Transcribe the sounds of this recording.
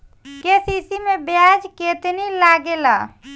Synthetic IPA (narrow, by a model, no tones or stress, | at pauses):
kesisimebjad͡ʒket̪nilaɡela